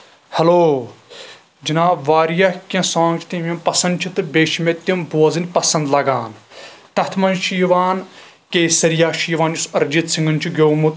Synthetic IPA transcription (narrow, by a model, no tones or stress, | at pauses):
hɐloː | d͡ʒinaːbʋaːɾjɐhkʲɐ̃sãːŋɡt͡ʃʰt̪imʲɐmpɐsɐnd̪t͡ʃʰit̪ɨbʲeːʃmʲet̪ʲːimboːɐzɨnʲpɐsɐ̃nd̪lɐɡaːnt̪ɐt̪ʰmɐnʃiːʋaːn | keːsɐɾjaːʃiːʋaːnjusɐɾd͡ʒit̪siŋɡɐnʲt͡ʃʰiɡʲoːmut̪